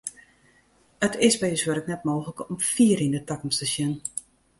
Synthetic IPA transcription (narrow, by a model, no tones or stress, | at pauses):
ətʰɪsbɛjəswəɾətnɛt̚moːxləkɔmfiəɾindətakəm̩stəsjən